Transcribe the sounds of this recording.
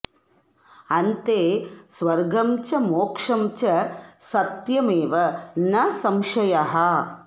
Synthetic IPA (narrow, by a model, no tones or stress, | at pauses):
ɐnt̪eːsʋɐɾɡɐmt͡ʃɐmoːkʂɐmt͡ʃɐsɐt̪jɐmeːʋɐnɐsɐmʃɐjɐɦɐ